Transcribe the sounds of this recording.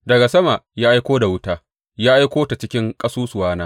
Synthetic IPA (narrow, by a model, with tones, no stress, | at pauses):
dɐ˨ɡa˨sɐ˦ma˨ʔjaː˦ʔa˦jkʷoː˦da˨wʊ˦taː˦ | jaː˦ʔa˦jkʷoː˦ta˨t͡ʃɪ˦kʲɪ˦ŋkʼɐ˦suː˦sʊ˨waː˦naː˦